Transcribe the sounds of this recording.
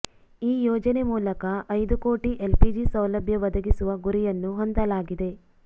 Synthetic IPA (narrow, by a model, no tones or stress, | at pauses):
iːjɔːd͡ʒɐne̞muːlɐkɐʔɐjd̪uko̞ːʈiʔelpid͡ʒisɐwlɐbʱjɐʋɐd̪ɐɡisuʋɐɡuɾijɐnːuɦond̪ɐlaːɡid̪e̞